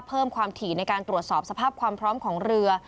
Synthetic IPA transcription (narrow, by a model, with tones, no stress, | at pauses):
pʰɤː˥˩mkʰwaː˧mt̪ʰiː˨˩na˧jkaː˧nt̪ɾu˨˩ət̪̚sɔː˨˩p̚sa˧pʰaː˥˩p̚kʰwaː˧mpʰɾɔː˦˥mkʰɔː˩˦ŋɾɯ˧ɐ